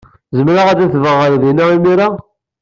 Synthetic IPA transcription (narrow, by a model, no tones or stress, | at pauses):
zəmɾaʁæd̪æθvəʁəɾðinæimiɾa